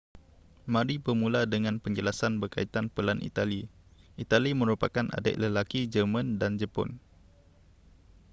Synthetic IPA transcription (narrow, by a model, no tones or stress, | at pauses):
mãɾibərmũladəŋãnpəɲd͡ʒəlasanbərka̰it̪anpəlanʔḭt̪ali | ʔit̪alimə̃ɾupakanʔa̰də̰ʔləlakid͡ʒəmãndand͡ʒəpɔ̰n